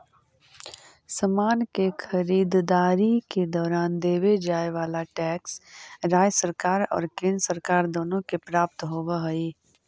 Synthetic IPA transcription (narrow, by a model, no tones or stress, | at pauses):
səmaːnkekʰəɾiːd̪d̪aːɾiked̪ɔːɾaːnd̪eːʋed͡ʒaːeʋaːlaʈɛːksɾaːjsəɾkaːɾɔ̰ːɾkɪ̃nsəɾkaːɾd̪oːnõkepɾaːp̚t̪ɦoːʋaɦəiː